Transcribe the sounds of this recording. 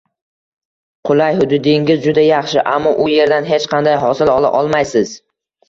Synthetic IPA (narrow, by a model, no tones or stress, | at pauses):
qʰʊlajhʊd̪ʊd̪eŋʲɪzd͡ʒʊd̪ajɑχʃɪʔamːɒʔʊje̞ɾd̪anɦet͡ʃqʰɑnd̪ajɦɒsɪlɒlˠa̰ʔɒlˠmajsɪz̥